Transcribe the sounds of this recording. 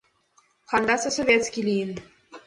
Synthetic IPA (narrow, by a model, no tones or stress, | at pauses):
χand̪asəsɔvʲet̪skʲilʲind̪